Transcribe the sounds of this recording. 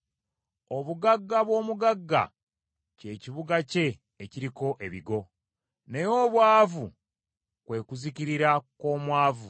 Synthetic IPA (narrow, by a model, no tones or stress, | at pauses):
o̞βuɡaɡːaβwo̞ːmuɡaɡːa̰ | ce̞ːciβuɡace̞ː | ciɾiko̞ʔe̞βiɡo̞ | ne̞jo̞βwaːvu | kwe̞ːkuziciɾiɾako̞ːmwaːvu